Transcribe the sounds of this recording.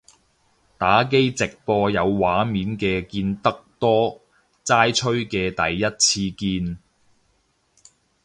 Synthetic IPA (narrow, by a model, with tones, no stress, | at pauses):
t̪aː˨˥k̬e˥jt͡sɪ˨k̚pɔː˧jɐ˨˧wwaː˨˥miː˨˥nkɛː˧kiː˧nt̪ɐ˥k̚t̪ɔː˥ | t͡saː˥jt͡ʃʰɵ˥ɥkɛː˧t̪ɐ˨jːɐ˥t̚t͡sʰiː˧kiː˧n